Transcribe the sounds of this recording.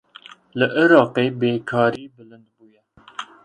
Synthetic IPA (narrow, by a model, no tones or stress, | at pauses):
ləʔiɾɑːqeːbeːkʰɑːɾiːbɨlɨnd̪̚buːjɛ